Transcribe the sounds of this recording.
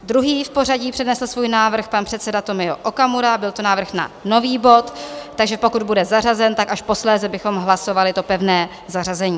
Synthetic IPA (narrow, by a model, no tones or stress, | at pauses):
d̪ɾuɦiːfpo̞raɟiːpr̥ɛdnɛsl̩svuːjnaːvr̩xpanpr̥ɛt̪sɛdat̪o̞mɪo̰ʔokamuɾabɪlt̪o̞naːvr̩xna̰no̞viːbo̞t̪ːaɡʒɛpo̞kud̪̚budɛzarazɛnt̪akaʃpo̞slɛːzɛbɪxo̞mɦlaso̞valɪt̪o̞pɛvnɛː | zarazɛɲiː